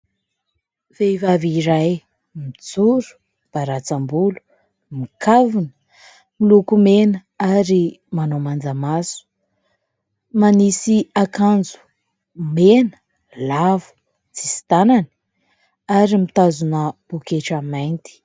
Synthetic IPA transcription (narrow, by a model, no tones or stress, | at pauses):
v̥evaviɾaj | mit͡suɾu̥ | b̥aɾat͡sambulu̥ | mikavunə̥ | milukumenə | aɾimanomand͡zamasu̥ | manisiakand͡zu̥ | menə̥ | lavu̥ | t͡sisi̥t̪anani̥ | aɾimit̪azunəb̥ukeʈ͡ʂamajnt̪i̥